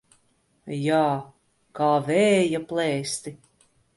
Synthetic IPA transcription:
jaː | kaːvɛːjaplɛːst̪i

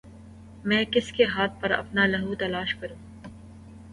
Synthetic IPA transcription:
mɛ̃ːkɪskeɦaːt̪̚ʰpɐɾɐ̰pnalɐɦut̪ɐlaːʃkɐɾũː

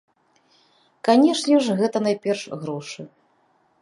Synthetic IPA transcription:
kanʲɛʂnʲɛʐɣɛt̪ɐnajpʲɛrʂɣɾɔʂɨ

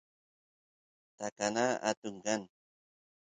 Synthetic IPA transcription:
t̪akanaa̰t̪uŋkan

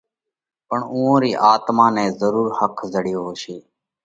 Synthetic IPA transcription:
pəɳũːõːɾiːʔaːt̪mãːnɛ̃ːzəɾuːɾhəkʰzəɽɪjoːɦoːʃiː

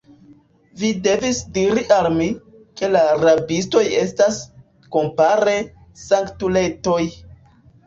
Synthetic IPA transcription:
vide̞visdiɾiʔalmi | ke̞laɾabisto̞je̞stas | ko̞mpaɾe̞ | saŋktule̞to̞j

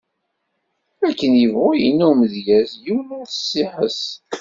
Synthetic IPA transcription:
ækːənjəvʁʊjinːuməðʝæzjuwlʊθə̥sːɪħəs

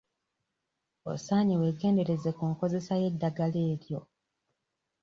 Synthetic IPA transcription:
o̰saːɲewe̞ɡe̞ːnde̞ɾe̞zekuːŋko̞ze̞saje̞dːaɡale̞ːɾjo̞

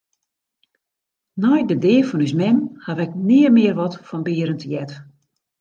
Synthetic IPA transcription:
nɔjdədɪːfɔnysmɛnhaʋɛk̚nɪːərmɪərʋɔtfɔnbɪːəɾəntjɛt

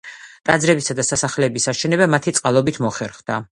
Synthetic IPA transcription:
t̪ʼad̪zɾɛbisad̪asasaχlɛbisaʃɛnɛbamat̪ʰit̪sʼqʼalˠɔbit̪ʰmɔχɛɾχd̪a

